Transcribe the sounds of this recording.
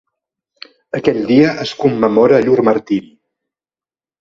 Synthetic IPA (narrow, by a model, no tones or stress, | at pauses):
əkɛʎʲd̪iəʔəskumːəmɔɾəːʎuɾməɾt̪iɾi